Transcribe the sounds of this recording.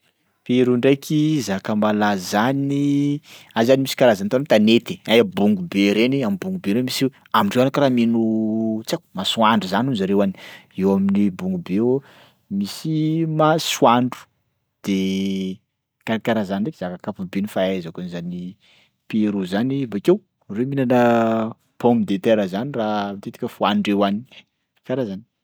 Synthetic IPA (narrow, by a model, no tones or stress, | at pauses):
peɾuɳɖ͡ʐajkʰizakambalazani | azanimisi̥kaɾazant̪ant̪anet̪i̥ajabuŋɡubeɾeniamibuŋɡubeɾemisi | amiɳɖ͡ʐewanakɾaminut͡saku̥maswaɳɖ͡ʐuzanunzaɾewani̥ewaminibuŋɡube | misimaswaɳɖ͡ʐu̥ | d̪̥e | kaɾakaɾazaniɳɖ͡ʐekz̥akakapubenifaazakunizani | peɾuzanibakew | reminanə | pɔmbid̪et̪ɛɾəzaniramt̪et̪i̥kʲəfuanɖ͡ʐewani̥ | kaɾazani̥